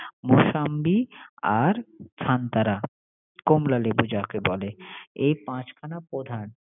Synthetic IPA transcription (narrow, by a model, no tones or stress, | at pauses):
moʃambiaɾkʰant̪aɾa | komlalebud͡ʑakebɔleejpãt͡ɕkʰanapɾod̪ʱan